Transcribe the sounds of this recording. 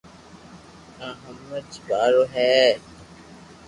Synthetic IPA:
ãɦəmːət͡ʃbaːɾoːɦɛː

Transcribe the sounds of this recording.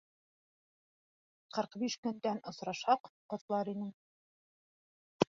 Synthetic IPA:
qɤ̆ɾqbiʃkɵ̆nd̪ænŏsɾɑʃɑqqŏt̪lˠɑɾinɘŋ

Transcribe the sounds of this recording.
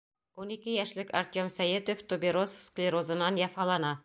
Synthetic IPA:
unikɘjæʃlɘkɑ̰rt̪ʲomsæjed̪oft̪obʲiɾossklʲiɾozɤ̆nɑnjɑfɑlˠɑnɑ

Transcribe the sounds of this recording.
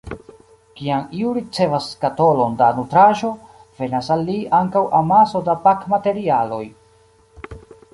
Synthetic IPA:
kiamiuɾit͡se̞vaskato̞lo̞ndanutɾaʒo̞ | v̥e̞nasalːiaŋkawamaso̞dapakmate̞ɾialo̞̰j

